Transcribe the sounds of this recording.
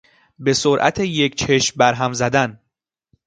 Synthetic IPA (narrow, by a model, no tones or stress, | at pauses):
be̞soɾʔæ̰t̪ʰeject͡ʃʰe̞ʃmbæɾɦæmzæd̪æn